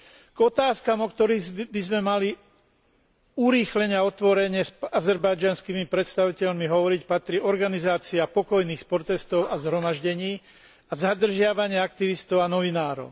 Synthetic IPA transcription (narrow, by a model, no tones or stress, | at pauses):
ɡ̥ɔt̪aːskamɔkt̪ɔɾiːbizmɛmali | uɾiːxlɛɲɪaɔt̪ʋɔɾɛɲɪɛsazɛɾbajd͡ʒanskimipɾɛt̪st̪aʋicɛʎmiɦɔʋɔɾicpat̪ɾiːɔɾɡanizaːt͡siapɔkɔjniːxspɔɾt̪ɛst̪ɔʊazɦɾɔmaʒɟɛɲiː | azad̪r̩ʒɪaʋaɲɪɛak̚t̪iʋist̪ɔʊanɔʋinaːɾɔ̰ʊ